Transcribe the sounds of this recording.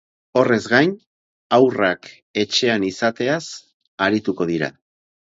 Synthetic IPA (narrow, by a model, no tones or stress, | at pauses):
o̞re̞zɣajn | awrak | e̞t͡ʃe̞anisat̪e̞as | aɾit̪uko̞ð̞iɾa̰